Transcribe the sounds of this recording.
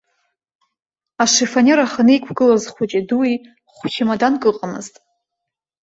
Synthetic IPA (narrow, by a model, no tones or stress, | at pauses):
aʂefanʲeɾaχanejkʷʰɡɨlazχʷʊt͡ʃʼiduwi | χʷʃʲʰɪmadankʼɨqʼamɨ̰ztʼ